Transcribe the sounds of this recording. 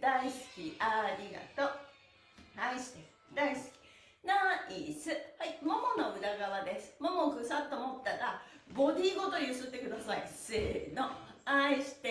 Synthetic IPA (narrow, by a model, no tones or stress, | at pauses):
d̪aisɨ̥kʲiaɾʲiɡa̰t̪o | haisi̥t̪e | d̪aisɨ̥kʲi̥ | naisɨhaimomonoɯ̟ɾaɡaβad̪e̞sɨ̥momokɯsat̪ːomot̪ːaɾabo̞d̪ʲiːɡo̞t̪ojɯsɨt̪ːe̞kɯ̟d̪asaiseːnoaiɕi̥t̪e